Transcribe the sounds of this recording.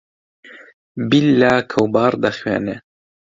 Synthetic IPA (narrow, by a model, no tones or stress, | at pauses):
bilːaːkʰɐwbɑːɾd̪ɐxwḛːnɛ